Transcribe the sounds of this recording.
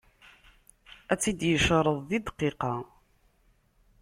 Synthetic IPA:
æt͡sːid̪jəʃɾˤəðˤðid̪qːiqɑ

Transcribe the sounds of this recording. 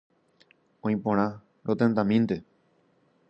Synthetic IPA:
õĩpõɾ̃ã | ɾʔot̪ẽnt̪ãmĩnt̪e

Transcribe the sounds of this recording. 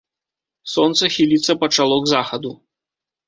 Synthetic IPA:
sɔnt̪sɐxʲilʲit̪sːɐpɐt͡ʂalˠɔɡzaxɐd̪u

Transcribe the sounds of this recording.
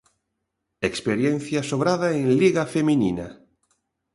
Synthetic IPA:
ekspeɾjenθjasoβɾaðaẽŋliɣafeminina

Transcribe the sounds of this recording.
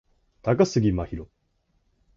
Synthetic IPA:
t̪akasɨɡʲimaçiɾo

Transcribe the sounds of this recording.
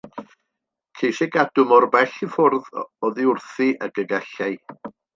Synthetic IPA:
kʰejʃɛɡadʊmɔrbɛɬifʊrðɔðiʊrθiʔəɡəɡɛɬaj

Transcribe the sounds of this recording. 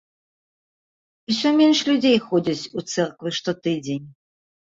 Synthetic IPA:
iusʲɔmʲenʂlʲud͡zʲejxɔd͡zʲɐt͡sʲut̪sɛrkvɨʂt̪ɔt̪ɨd͡zʲenʲ

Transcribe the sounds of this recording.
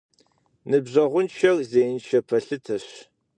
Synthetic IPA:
nɨbʑɐʁʷʊnʃʰɐrzeːjnʃɐpʰɐɬɨtʰɐɕ

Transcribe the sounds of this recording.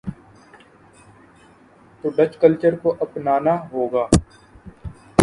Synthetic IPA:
t̪oːɖət͡ʃkəlt͡ʃəɾkoʔɐpnaːnaːɦoːɡaː

